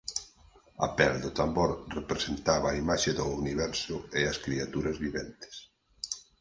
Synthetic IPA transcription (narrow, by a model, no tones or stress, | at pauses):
a̰pɛld̪ʊt̪ambɔɾrepɾesent̪aβɐːimaʃeðʊuniβɛɾsʊeɐskɾiat̪uɾɐzβiβɛnt̪ɪ̥s